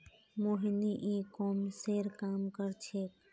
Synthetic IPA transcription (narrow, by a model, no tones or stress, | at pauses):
moɦiniʔikomseɾkamkəɾt͡ʃʰek